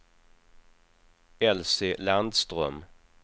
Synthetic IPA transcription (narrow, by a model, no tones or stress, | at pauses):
ɛlsɪland̪st̪ɾœ̰m